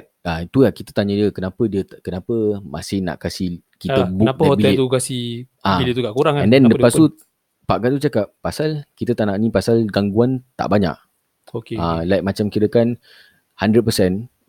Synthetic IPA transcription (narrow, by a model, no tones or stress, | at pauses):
ait̪ulakit̪ət̪aɲədiəkənapədiət̪kənapəma̰sɪhna̰ʔkasih | kit̪əbun̚əahotbiɛlt̪ukasi | aiiət̪uɡaʔkuɾaŋɛ̃ndɛ̃nləpasu | paʔkaʔt̪ut͡ʃakaʔ̚pasalkit̪ət̪anaʔnĩpasalɡaŋɡuant̪a̰ʔbaɲa̰ʔ | okealajk̚mat͡ʃamkiɾəkan | handɾəd̚pəsɛn